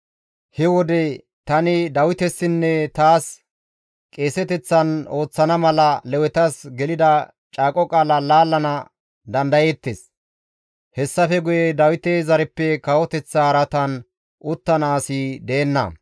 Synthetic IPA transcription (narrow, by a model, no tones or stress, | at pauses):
hɛwɔd̪ɛ | t̪ɐnɪd̪ɐwɪt̪ɛsːɪnːɛt̪aːs | kʼeːsɛt̪ɛt͡sːɐno̞ːt͡sːɐnɐmɐlɐlɛwɛt̪ɐsɡɛlɪd̪ɐ | t͡ʃʼaːkʼɔkʼaːlɐlaːlːɐnɐ | d̪ɐnd̪ɐjeːt̪ːes | hɛsːɐfɛɡʊjɛd̪ɐwɪt̪ezɐɾɛpːɛkɐwɔt̪ɛt͡sːɐːɾɐt̪ɐn | ʔʊt̪ːɐnaːsid̪e̞ːnːɐ̰